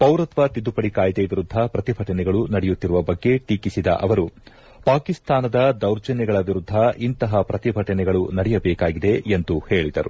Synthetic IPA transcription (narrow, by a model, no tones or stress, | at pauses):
pɐwɾɐt̪ʋɐt̪id̪upɐɽikaːjd̪eʋiɾud̪ʱːɐpɾɐt̪ibʱɐʈɐnɛɡɐɭunɐɽɛjut̪ːiɾuʋɐbɐɡːe̞ʈiːkisid̪ɐ̰ʔɐʋɐɾu | paːkist̪ʰaːnɐd̪ɐd̪ɐwɾd͡ʒɐnɛɡɐɭɐʋiɾud̪ʱːɐʔint̪ɐɦɐpɾɐt̪ibʱɐʈɐnɛɡɐɭunɐɽɛjɐbɛːkaːɡid̪e̞ːnd̪uhe̞ːɭid̪ɐɾṵ